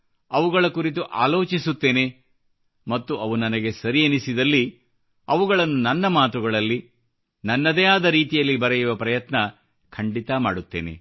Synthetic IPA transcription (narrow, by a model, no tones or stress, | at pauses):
ɐʋuɡɐɭɐkuɾit̪̬uʔa̰ːlo̞ːt͡ʃisut̪ːe̞ːne̞ | mɐt̪ːuʔɐʋunɐnɐɡe̞sɐɾijenisid̪ɐlːi | ɐʋuɡɐɭɐnːunɐnːɐmaːt̪uɡɐɭɐlːi | nɐnːɐd̪ɛːjaːd̪ɐɾiːt̪ijɐlːibɐɾejuʋɐpɾɐjɐt̪nɐ | kʰɐɳɖit̪ɐma̰ːɽut̪ːeːne̞̰